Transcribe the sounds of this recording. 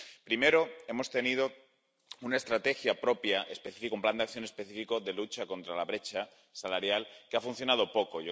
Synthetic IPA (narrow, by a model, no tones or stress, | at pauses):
pɾime̞ɾo̞e̞mo̞st̪e̞nið̞o̞ | unae̞st̪ɾat̪e̞xjapɾo̞pjaʔe̞spe̞θifikaumpland̪eak̚θjo̞ne̞spe̞θifiko̞ðe̞lut͡ʃako̞nt̪ɾalaβ̞ɾe̞t͡ʃa | salaɾjalkeafunθjo̞nað̞o̞po̞ko̞jo